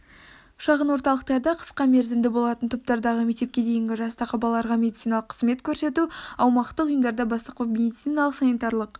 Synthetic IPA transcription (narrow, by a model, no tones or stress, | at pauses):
ʃɑʁənwo̞ɾt̪ɑlˠəqt̪ɑɾd̪ɑqʰə̥sqɑmeɾzɪmd̪ɪbo̞lˠɑt̪ənt̪ʰop̚t̪ɑɾd̪ɑʁəmekt̪e̞p̚kʲed̪e̞jɪŋɡʲɪʒɑst̪ɑqʰɑbɑlˠːɑɾʁɑmʲe̞d̪it̪ijnaɑlˠəqʰːə̥zme̞t̪kʲʰɵɾse̞t̪uɑwmɑqt̪əqʊjəmd̪ɑɾd̪ɑbɑst̪əqəme̞d̪it̪sijnɑlˠəqsanit̪ɑɾlˠəq